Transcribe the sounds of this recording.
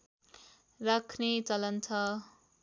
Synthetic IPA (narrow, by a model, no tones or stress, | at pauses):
rakʰnet͡sʌlʌnt̪ʰʌ